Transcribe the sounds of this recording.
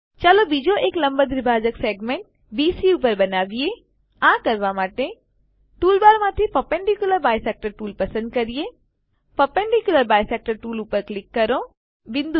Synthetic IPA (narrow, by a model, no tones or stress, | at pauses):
t͡ʃalobiːd͡ʒoeːklɐ̃mbəd̪ɾɪbʱaːd͡ʒəkseːɡmeɳʈ̚ | biːsiupəɾbɐnaːʋie | ãkɐɾʋamaːʈe | ʈuːlbaːɾmãt̪ʰipɐpẽɳɖikjʊləɾbaːjseːk̚ʈəɾʈuːlpɐsə̃nd̪̚kɐɾije | pəpɛɳɖikjʊləɾbaːjseːk̚ʈəɾʈuːlupəɾklɪkːəɾõ | ʋɪ̃nd̪u